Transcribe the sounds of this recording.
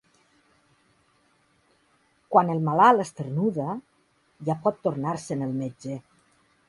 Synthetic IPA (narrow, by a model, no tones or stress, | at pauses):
kwanelˠmalalest̪ernuðə | ʒapɔt̪ːoɾnaɾsenelˠmed͡ʒe